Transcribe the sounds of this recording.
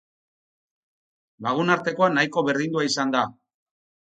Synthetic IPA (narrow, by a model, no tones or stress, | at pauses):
laɣ̞unaɾt̪e̞ko̞anajko̞βe̞ɾðind̪uaisand̪a